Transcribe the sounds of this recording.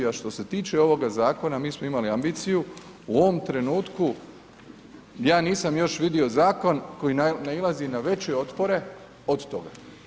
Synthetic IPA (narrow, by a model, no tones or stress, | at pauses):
aʃt̪o̞se̞t̪iːt͡ʃe̞o̞ʋo̞ɡazaːko̞namiːsmoimaliambiːt̪siju | uo̞ʋo̞mt̪ɾe̞nuːt̪ku | jaːniːsamjo̞ʃʋid̪io̞zaːko̞nko̞jinailˠazinaʋe̞t͡ɕeo̞t̪po̞ɾe̞ | o̞d̪t̪o̞ɡa̰